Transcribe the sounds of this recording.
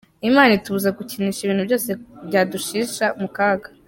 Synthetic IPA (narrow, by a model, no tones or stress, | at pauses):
imaːnituβuzakuciniːʃiβiːnhubɟoːse̞bɟaːduʃiːʃamukaːɡḁ